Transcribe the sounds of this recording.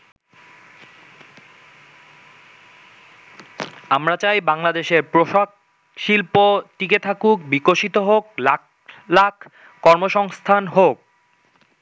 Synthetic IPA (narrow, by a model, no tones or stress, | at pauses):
amɾat͡ɕajbaŋlad̪eʃeɾpɾoʃak | ʃilpot̪iket̪ʰakuk̚bikoʃit̪oɦokla | lakʰ | kɔɾmoʃɔŋst̪ʰanɦok̚